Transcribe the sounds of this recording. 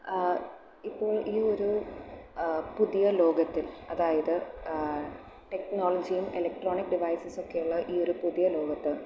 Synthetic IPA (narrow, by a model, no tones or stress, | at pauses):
ipːo̞ːɭʔiːoɾu | puðijɐlo̞ːɡɐt̪ːilɐðaːjɐðɨ | ʈe̞knoːlɐd͡ʑijumelɐk̚ʈroːɳikɖiʋɐjsɐso̞kːe̞juɭːɐʔiːo̞ɾupuðijɐlo̞ːɡɐt̪ːɨ